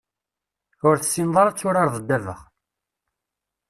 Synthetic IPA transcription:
ʊɾθə̥sːinðˤɑɾˤt͡sːʊɾaɾˤðˤəd̪ːævə̰ʁ

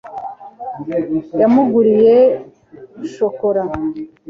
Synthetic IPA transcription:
jamuɡuɾije | ʃokoɾa

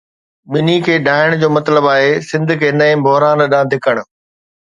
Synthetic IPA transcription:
ɓɪnikʰeːɖʱaːɪəɽ̃d͡ʑoːmɐt̪ləbaːɦesɪ̃nd̪ʱkʰeːnɐ̃ɪ̃bʱoɦɾaːnɗãːd̪ʱɪkəɽ̃̆

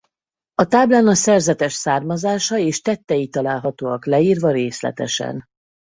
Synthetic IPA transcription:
ɒt̪aːblaːnɒsɛrzɛt̪ɛʃsaːrmɒzaːʃɒeːʃt̪ɛt̪ːɛjit̪ɒlaːlɦɒt̪oːɒklɛiːrvɒɾeːslɛ̰t̪ɛ̰ʃɛ̰n

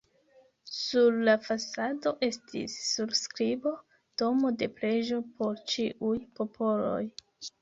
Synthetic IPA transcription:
suɾlafasado̞ʔe̞stḭsːubskɾibo̞ | to̞mo̞de̞pɾe̞ʒo̞pʰo̞ɾt͡ʃiʔujpo̞pʰo̞lo̞̰j

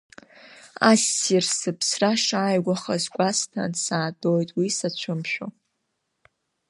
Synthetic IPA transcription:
asːirsɨpʰsraʂaːjɡʷaχazkʷʼastʰa̰nsaːdʼojtʼwisat͡ɕʷʰʊmʃᶣo̰

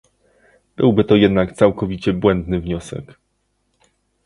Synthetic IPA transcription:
b̥ɘwbɘt̪ɔjɛd̪nakt̪sawkɔvʲit͡ɕɛbwɛnd̪nɘvɲɔsɛ̰k

